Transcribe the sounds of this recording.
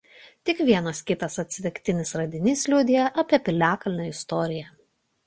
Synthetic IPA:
t̪ʲɪkʋʲiɛnɐskʲɪt̪ɐsɐt̪ʲsʲɪt̪ʲɪkʲt̪ʲɪnʲɪsɾɐd̪ʲɪnʲɪslʲʊd̪ʲɪjɛʔɐpʲiɛpʲɪlʲæːkɐlʲnʲoːɪst̪ɔːɾʲɪjɛ

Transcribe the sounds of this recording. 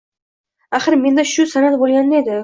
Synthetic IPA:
aχɨɾme̞nd̪aʃʊsanat̪̚bolˠɡʲand̪aed̪ɪ

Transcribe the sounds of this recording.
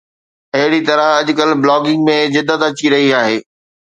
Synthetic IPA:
ɐɦɪɽit̪ɐɾə̃ɐʄʊkəlblɔːɡɪ̃ŋɡmẽzɪd̪ːət̪ɐt͡ɕiɾɐɦiaːɦeː

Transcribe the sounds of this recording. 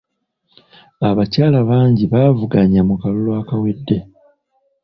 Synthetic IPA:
aβacaːlaβaːɲɟiβaːvuɡaɲamukalulwaːkawedːe̞

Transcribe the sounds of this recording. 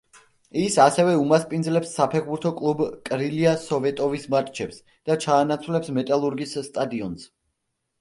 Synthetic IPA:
isasɛvɛumaspʼind̪zlɛpsːapʰɛχbuɾt̪ʰɔkʼlˠubkʼɾiliasɔvɛt̪ʼɔvismat̪ʼt͡ʃʰɛps | d̪̥at͡ʃʰaːnat̪sʰwlɛpsmɛt̪ʼalˠuɾɡisːt̪ʼad̪iɔns

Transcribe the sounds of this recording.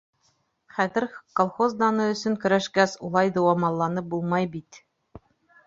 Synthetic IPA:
χæðɘɾkolˠχozd̪ɑnɤɵ̆sɵ̆ŋkɵ̆ɾæʃkæsulˠɑjd̪ɑwɑmɑlˠːɑnɤp̚bulˠmɑjbit̪

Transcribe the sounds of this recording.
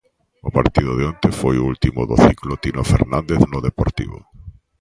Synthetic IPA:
ʊpaɾt̪iðʊðeont̪efojʊult̪imʊðoθiklot̪inofeɾnãnd̪eθnʊðepoɾt̪ḭβʊ̰

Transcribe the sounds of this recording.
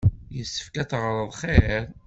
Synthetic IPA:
jəsːə̥fkæt͡sːʁɾˤəðˤχeɾˤ

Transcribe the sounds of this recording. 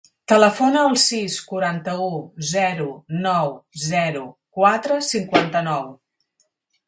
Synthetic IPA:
t̪ələfonəːlˠsiskuɾant̪əuzɛɾunɔwzɛɾukwat̪ɾəsiŋkwant̪ənɔw

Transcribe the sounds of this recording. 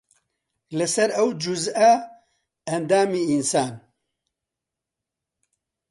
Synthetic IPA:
lɨsɛɾɐwd͡ʒuzɐ | ɐnd̪aːmiːinsaːn

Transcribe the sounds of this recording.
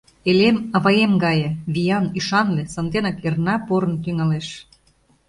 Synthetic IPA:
elemɑβɑjemɡɑjĕβijɑniʃɑnlesənd̪enɑkernɑpoɾə̆nt̪yŋɑleʃ

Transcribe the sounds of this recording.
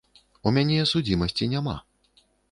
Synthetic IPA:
umʲanʲɛsud͡zʲimɐsʲt͡sʲinʲama̰

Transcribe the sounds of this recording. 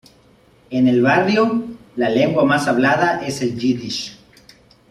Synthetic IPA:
enelβarjolale̞ŋɡwamasaβlaðaʔeseld͡ʒiðiʃ

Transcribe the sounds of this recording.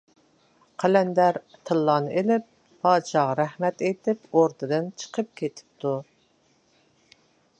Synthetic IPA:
qʰælɛnd̪æɾt̪ʰɨlˠːɑnɨʔelɪp̚ːʰ | ɑːʃɑʁɑɾæhmɛt̪et̪ɪpoɾd̪ɨd̪ɨnt͡ʃʰə̥qʰəp̚kʲʰet̪ʰɪ̥p̚t̪ʰu

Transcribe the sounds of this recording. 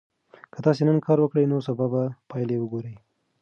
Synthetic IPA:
kət̪ɑsenənkʰɑɾwəkɽəjnosabɑbapɑjlewəɡoɾəj

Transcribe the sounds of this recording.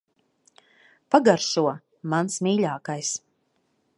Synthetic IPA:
paɡaɾʃuɔ | mansmiːʎaːkajs

